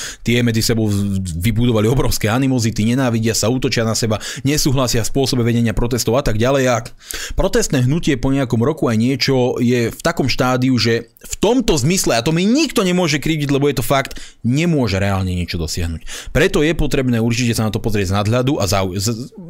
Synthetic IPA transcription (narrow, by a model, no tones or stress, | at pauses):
t̪ɪɛmɛd͡zisɛbɔʊʋibud̪ɔʋaliɔbɾɔʊskɛanimɔzit̪iɲɛnaːʋiɟɪasauːt̪ɔt͡ʃɪanasɛbaɲɛsuːɦlasɪaspʊɔsɔbɛʋɛɟɛɲɪapɾɔt̪ɛst̪ɔʊat̪aɡɟalɛja | pɾɔt̪ɛst̪nɛːɦnucɪɛpɔɲɛakɔmɾɔkuajɲɪɛt͡ʃɔjɛft̪akɔmʃt̪aːd̪iuʒɛ | ft̪ɔmt̪ɔzmislɛat̪ɔmiɲikt̪ɔɲɛmʊɔʒɛkɾiːɟiɟlɛbɔjɛt̪ɔfakt̪ | ɲɛmʊɔʒɛɾɛaːlɲɛɲɪɛt͡ʃɔd̪ɔsɪa̰ɦnucpɾɛt̪ɔjɛpɔt̪ɾɛbnɛːuɾt͡ʃicɛsanat̪ɔpɔzɾɪɛɟznad̪ɦʎad̪uʔazauz